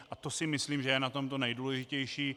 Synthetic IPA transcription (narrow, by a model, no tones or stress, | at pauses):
ʔat̪o̞sɪmɪsliːmʒɛjɛnat̪o̞mt̪o̞nɛjduːlɛʒɪcɛjʃiː